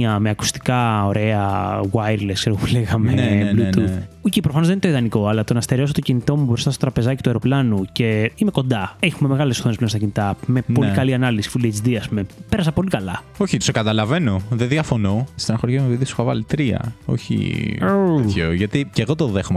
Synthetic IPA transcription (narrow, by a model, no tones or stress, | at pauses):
ɐmeɐku̥st̪i̥kɐo̞ɾe̞ɐwajɾleskse̞ɾɣopu̥leɣɐmenluuocepɾofɐnozðent̪iðɐniko̞ɐlɐt̪o̞nɐst̪eɾeosot̪ocinit̪o̞muvɾo̞st̪ɐst̪ot̪ɾɐpe̞zɐci̥t̪uɐjɾo̞plɐnuce̞imeko̞nd̪ɐexumeme̞ɣɐleso̥θo̞nesplnst̪ɐcinit̪ɐme̞o̞ikɐliɐnɐlisi̥fuliet͡ʃd̪iɐspume̞pe̞ɾɐs̬ɐpo̞likɐlɐ | o̞çit̪sekɐt̪ɐlɐve̞no̞ðeðiɐfo̞noist̪enɐxoɾʝɐmepiðiisu̥xɐvɐ̰lit̪ɾiɐ̰o̞̰çḭooʝɐt̪iceɣot̪oðexom